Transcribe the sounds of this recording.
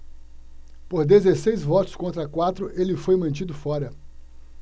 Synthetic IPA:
poɾd̪ezesejzvɔt̪ʊ̥skõnt̪ɾɐkwat̪ɾʊʔelɪfojmɐ̃t͡ʃid̪ʊfɔɾɐ

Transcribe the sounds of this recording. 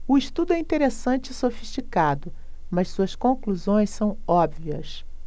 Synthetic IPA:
ʊiʃt̪ud̪ʊɛĩt̪eɾesɐ̃t͡ʃɪɪsofiʃt͡ʃikad̪ʊ | mɐssuɐskõkluzõj̃ssɐ̃w̃ɔbviɐ̰s

